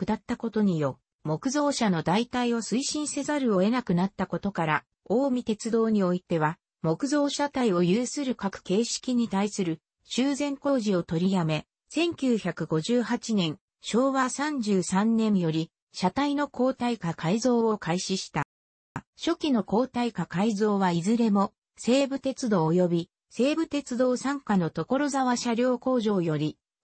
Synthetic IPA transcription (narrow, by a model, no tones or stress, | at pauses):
ɯd̪at̪ːako̞t̪o̞ɲ̟ijo̞ | mo̞kɯ̟zo̞ːɕano̞d̪ait̪aiβosɨiɕĩɰ̃se̞zaɾɯ̟o̞e̞nakɯ̟nat̪ːako̞t̪o̞kaɾa | oːmʲit̪e̞t͡sɨd̪o̞ːɲ̟io̞it̪e̞β̞a | mo̞kɯ̟zo̞ːɕat̪aio̞jɯːsɨɾɯ̟kakɯ̟̥ke̞ːɕi̥kʲiɲ̟it̪aisɨɾɯ̟ | ɕɨːzẽ̞ŋko̞ːʑio̞t̪o̞ɾʲijame̞ | sẽ̞ŋkʲɨːçakɯ̟ɡo̞ʑɨːɦat͡ɕinẽ̞ɰ̃ | ɕo̞ːβasãɲd͡ʑɨːsãnnẽ̞ɰjo̞ɾʲi | ɕat̪aino̞ko̞ːt̪aikakʰaizo̞ːo̞kʰaiɕiɕi̥t̪a | ɕo̞kʲino̞ko̞ːt̪aikakaizo̞ːβaizɨɾe̞mo̞ | se̞ːbɯ̟t̪e̞t͡sɨd̪o̞ːojo̞bʲi | se̞ːbɯ̟t̪e̞t͡sɨd̪oːsãŋkano̞t̪o̞ko̞ɾo̞zaβaɕaɾʲo̞ːko̞ːʑo̞ːjo̞ɾʲi